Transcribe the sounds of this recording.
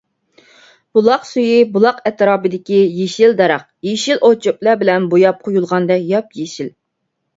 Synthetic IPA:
b̥ulˠɑqsyjibulˠɑqɛt̪ʰɾɑːbɨd̪ɪkʲijeʃild̪ɑɾɑq̚jeʃilʔot͡ʃʰop̚lˠɑbɪlɛnbojɑp̚qʰojulˠʁɑnd̪ɛkjɑp̚jeʃil

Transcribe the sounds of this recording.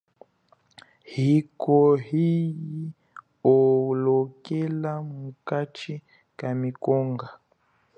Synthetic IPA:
hikɔhiji | ɔlɔkɛlamukat͡ʃi | kamikɔŋɡa

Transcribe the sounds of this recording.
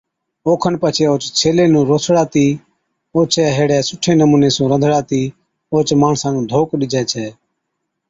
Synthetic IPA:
oːkʰənpət͡ʃʰeːoːt͡ʃt͡ʃʰeːleːnũːɾoːsɽaːt̪iː | oːt͡ʃʰɛːɦeːɽɛːsʊʈʰːeːnəmuːneːsũːɾə̃d̪ʱɽaːt̪iː | oːt͡ʃmaːɳsãːnũːd̪ʱoːkɗɪd͡ʒɛːt͡ʃʰɛː

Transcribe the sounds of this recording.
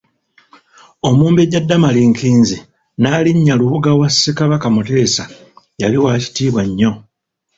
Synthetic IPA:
o̞muːmbeɟadːamaliŋkiːnzi | naːliɲːaluβuɡawasːekaβakamute̞ːsa | jaliwaːci̥tiːβwaɲːo̞

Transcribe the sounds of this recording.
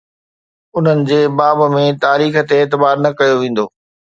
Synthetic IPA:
ʊn̤ənɪ̆d͡ʑeːbaːbmẽt̪aːɾiːxə̆t̪eːt̪ɪbaːɾnɐkɐjoʋẽːn̆d̪oː

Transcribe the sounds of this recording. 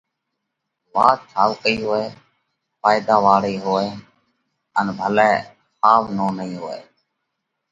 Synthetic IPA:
ʋaːt͡ʃʰaːʋkəiːɦoːeː | faːjd̪aːʋaːɽiːɦoːeː | ənbʱəlɛː | xaːʋnoːnəĩːɦoːḛː

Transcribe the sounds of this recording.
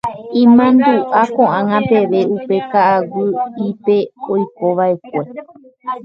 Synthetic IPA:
ĩmãnd̪uʔakõʔãŋãpe̞ʋe̞upe̞kaʔawɨipeojko̞ʋae̞k̚ʷe̞

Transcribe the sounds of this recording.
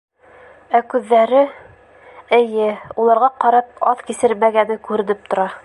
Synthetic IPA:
ækʉðːæɾɘ | ɘ̆jɘulˠɑɾʁɑqɑɾɑp̚ɑðkisɘɾmæɡænɘkʉɾɘ̆nɘp̚t̪ŏɾɑ

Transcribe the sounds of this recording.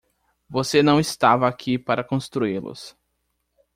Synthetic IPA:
vosenɐ̃w̃ist̪avɐːkʰipaɾɐkõst̪ɾuilʊ̰s

